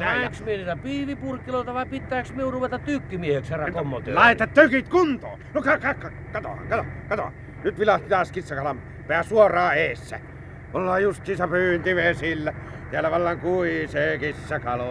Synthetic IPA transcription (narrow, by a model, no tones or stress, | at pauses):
næeksmieniːt̪æpiːʋipurkːiloˑlt̪ɑʋɑˑipit̪ːˑæːksmiunruʋet̪ɑtt̪ykːimieheksherɑkomːot̪ḛlɑˑet̪ɑt̪t̪økit̪kunt̪o̰ːnokɑkɑkːɑ | kɑt̪o̰hɑ̰kɑt̪o̰kɑt̪o̰ɑ̰ | nyt̪ʋilɑht̪it̪ɑːskisːɑkɑlɑm | peæsuorˑɑːeːsːæ̰ | ʔolːɑːjust̪siːnsepyːnt̪iʋesilːæ | t̪eælːæʋɑlːɑŋkuiseːkisːɑkɑlo